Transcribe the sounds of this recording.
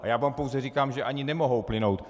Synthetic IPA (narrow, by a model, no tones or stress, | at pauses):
ajaːvaːmpowzɛrikaːmʒɛʔaɲɪnɛmo̞ɦowplɪno̞wt̪